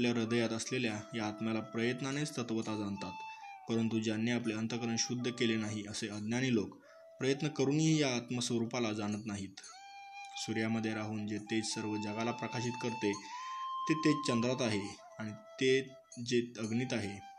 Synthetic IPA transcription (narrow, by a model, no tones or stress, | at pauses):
ljaɾəd̪əjat̪əsleljajaːt̪malapɾəjət̪nañet͡st̪ət̪ʋət̪ad͡zant̪at̪pəɾənt̪ud͡ʑanːjeapleənt̪əkəɾəɳɕud̪ʱːəkelenaɦiəseəd̪njaɽ̃ilok | pɾəjət̪nəkəɾuːnɦiːjaːt̪məsʋəɾupalad͡zañət̪naɦiːt̪ | suɾjaməd̪ʱːjeɾaɦuːnd͡zet̪et͡ssəɾʋəd͡ʑəɡalapɾəkaɕiːt̪kəɾt̪et̪et̪et͡ɕənd̪ɾat̪aɦe | aɽ̃it̪e | d͡zeəɡniːt̪aɦe